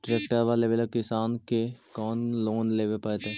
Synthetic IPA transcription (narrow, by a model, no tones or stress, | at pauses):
ʈɾeːkʈəɾʋaːleʋelkɪsaːnkekɔːnloːnleːʋepaet̪ɛ